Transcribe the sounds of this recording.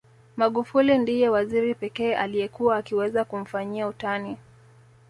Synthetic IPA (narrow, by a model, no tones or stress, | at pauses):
maɠufulindijɛwaziɾipɛkɛːʔalijɛkuwaːkiwɛzakum̩faɲiautani